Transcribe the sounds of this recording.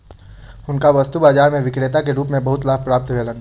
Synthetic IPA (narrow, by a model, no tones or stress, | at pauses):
ʊnkaʋɐst̪ubaːd͡ʒaːɾmẽʋɪkɾeːt̪akeɾuːpmẽbɐɦʊt̪laːb̚pɾaːp̚t̪bʱeːlən